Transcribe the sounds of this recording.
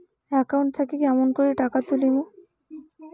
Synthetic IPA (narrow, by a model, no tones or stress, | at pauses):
ɛkauwɳʈ̚t̪ʰakekɛmonkoɾiʈakat̪ulimo